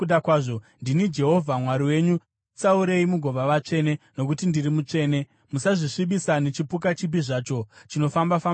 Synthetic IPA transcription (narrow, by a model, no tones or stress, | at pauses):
uɗakwaːʐondinid͡ʒe̞ɦo̞vʱamwaɾiwe̞ɲu | t͡sauɾe̞imuɡʱo̞ʋaʋat͡ʂe̞ːne̞no̞k̬utindirimut͡ʂe̞ːne̞ | musaʐiʂiɓisane̞t͡ʃipuk̬at͡ʃip̬iʐaːt͡ʃo̞t͡ʃino̞fambafa